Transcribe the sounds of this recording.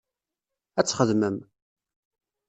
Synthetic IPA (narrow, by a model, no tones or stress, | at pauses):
æt͡sːχəðməm